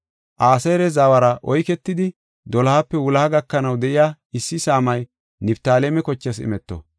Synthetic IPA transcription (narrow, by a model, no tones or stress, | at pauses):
ʔaːsɐjɾɛzaːwɐɾɐʔɔjkɛt̪ːɪd̪ɪ | d̪ɔlɐhapːɛwʊlɐhɐɡɐkːɐnɐwd̪ɛʔɪjaː | ɪsːɪsaːmɐj | nɪbt̪aːlemɛkɔt͡ʃːɐsɪ̰mɛt̪ːo̰